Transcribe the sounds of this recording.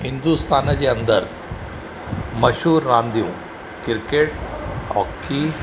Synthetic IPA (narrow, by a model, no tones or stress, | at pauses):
hind̪ust̪ʰant͡ɕeənd̪əɾ | məɕɦuːɾːãnd̪ʱjũ | kiɾkeʈ̚ɦɔkːi